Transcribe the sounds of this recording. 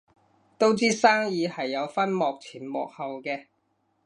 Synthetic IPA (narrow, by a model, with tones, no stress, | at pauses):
t̪o˥wt͡siː˥saː˥ŋjiː˨˧hɐ˨jːɐ˨˧wfɐ˥nmɔː˨k̚t͡sʰiː˨˩nmɔː˨k̚hɐ˨wkɛː˧